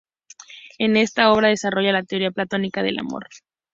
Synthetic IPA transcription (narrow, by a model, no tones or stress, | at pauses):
e̞ne̞st̪ao̞β̞ɾað̞e̞saro̞ʝalat̪eo̞ɾiaplat̪o̞nikað̞e̞̰la̰mo̞̰ɾ